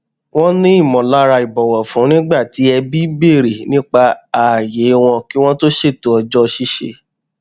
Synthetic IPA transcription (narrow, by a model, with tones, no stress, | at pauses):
w̃ɔ̃˦nĩ˦i˦˨mɔ̃˨la˨˦ɾa˧i˨bɔ˨wɔ˨fũ˨˦nĩ˦ɡ͡ba˦˨ti˨˦ɛ˧bi˦be˦˨ɾe˨nĩ˦k͡pa˧a˨je˨˦w̃ɔ̃˧ki˦w̃ɔ̃˦to˦ʃe˦˨to˨ɔ˧d͡ʒɔ˦˧ʃi˦ʃḛ˧